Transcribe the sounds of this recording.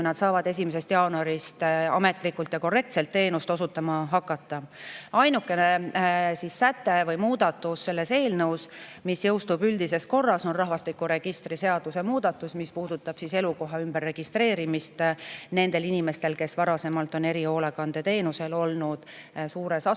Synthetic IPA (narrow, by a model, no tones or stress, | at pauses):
kujnɑd̪̥sɑːvɑd̪̥e̞s̬ʲimes̬e̞st̪jɑːnuɑɾist̪ɑme̞t̪ˑlikːˑult̪jɑko̞re̞k̚t̪se̞lt̪ːe̞ːnust̪o̞sut̪ːˑɑmɑɦɑkːˑɑt̪ˑːɑɑjnukːˑe̞ne̞sisːæt̪ːˑe̞vɤjmuːd̪̥ɑt̪ːˑusːelːe̞se̞ːlnɤwsmisjɤ̞wst̪ubyld̪ise̞sko̞rːɑso̞nrɑɦvɑst̪ikːuɾe̞ɡ̥ist̪ɾise̞ɑd̪̥use̞muːd̪̥ɑt̪ːˑusmispuːd̪̥ut̪ːˑɑb̥sise̞luko̞ɦɑymb̥erːe̞ɡ̥ist̪ɾe̞ːɾimist̪ne̞nd̪̥e̞linime̞st̪e̞lke̞svɑɾɑse̞mɑlt̪ˑo̞ne̞ɾio̞ːlekɑnd̪̥e̞t̪e̞ːnuse̞lo̞lnud̪̥suːɾe̞sɑ